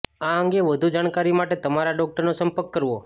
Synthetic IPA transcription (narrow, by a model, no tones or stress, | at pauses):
aəŋɡeʋəd̪ʱud͡ʒaɳ̃kaɾimaʈet̪əmaɾaɖɔk̚ʈəɾnosə̃mpəɾkːəɾʋo